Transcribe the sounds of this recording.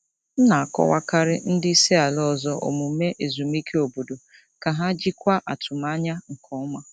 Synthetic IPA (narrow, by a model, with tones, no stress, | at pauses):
n̩˦na˨a˨kɔ̰˦wa˦ka˦ɾɪ̰˦n̩˦dɪ˦i˦se˦a˨lɔ˦˨zɔ˦ʔo̰˨mu˨˦me˦ʔe˨zu˨mi˦kʰe˦o˨bo˨do˨ | ka˨ɦa˦d͡ʒi˦kʷa˦ʔa˨tʰʊ˨m˦a˦ɲa˦ŋ̩˨kʰɔ˦ma˦